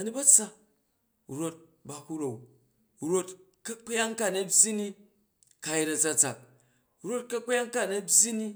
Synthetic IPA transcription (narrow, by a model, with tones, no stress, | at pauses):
ɐ˨ni˦bɐ˦t͡sa˦˨ | ɾo˧t̚ | ba˨hu˦ɾo˨w | ɾo˦t | kɐ˦k͡pja˦ŋka˦˨nɐ˨bʲji˦ni˦ | ka˧ji˦ɾɐ˨d͡za˧t͡sa˨k̚ | u˨˦ɾo˦t̚kɐ˦k͡pja˦ŋka˦˨nɐ˦bʲji˦ni˦